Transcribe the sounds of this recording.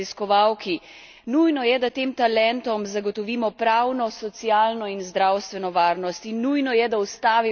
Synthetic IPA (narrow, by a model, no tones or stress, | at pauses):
iskɔʋawkʰi | nujnɔjɛd̪at̪eːmt̪alɛnt̪ɔmzaɡɔt̪ɔʋiːmɔpɾawnɔsɔt̪siaːlnɔinzd̪ɾawst̪ʋɛnɔʋaːɾnɔst̪inːujnɔjɛd̪awst̪aːʋi